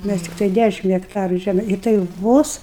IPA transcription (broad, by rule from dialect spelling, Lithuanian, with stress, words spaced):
ˈmʲæs ˈtʲɪktɐɪ ˈdʲæʃʲɪm ɣʲɛkˈtɑːrʊ ˈʒʲæm ɪ tɐɪ ˈʋoːs